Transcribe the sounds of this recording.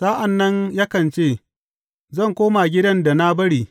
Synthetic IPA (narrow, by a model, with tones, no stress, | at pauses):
saː˦ʔa˨nːɐ˦ɲjaː˦kɐ˨nt͡ʃeː˦˨ | zɐ˦˨ŋkʷoː˦ma˨ɡʲɪ˦dɐ˦nda˨na˦bɐ˦ɽiː˨